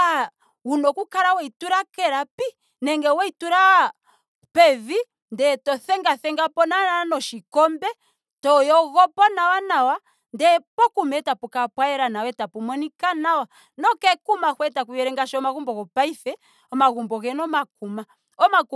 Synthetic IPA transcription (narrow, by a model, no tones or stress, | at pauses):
a | unɔkukaɾawɛituɾakɛɾapi | nɛŋɡɛwɛituɾa | pɛvi | ndɛtɔθɛŋɡaθɛŋɡapɔnanaanɔʃikɔmbɛ | tɔjɔɣɔpɔnawanawa | ndɛpɔkumɛtapukapwajɛɾanawɛtapumɔnikanawa | nɔkɛkumahwɛtakujɛɾɛŋɡaʃɔɔmaɣumbɔɣɔpaiθɛ | ɔmaɣumbɔɣɛnɔmak̚uma | ɔmak